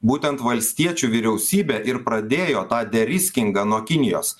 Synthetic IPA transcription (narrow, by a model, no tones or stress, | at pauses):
buːt̪ʲɛnt̪ʋɐlʲsʲt̪ʲiɛt͡ʃʲuːʋʲiːɾʲɛʊsʲiːbʲɛːʔɪɾpɾɐd̪ʲeːjoːt̪ɑːd̪ʲɛɾʲɪsʲkʲɪŋɡɑnuɔkʲɪnʲɪjo̰ːs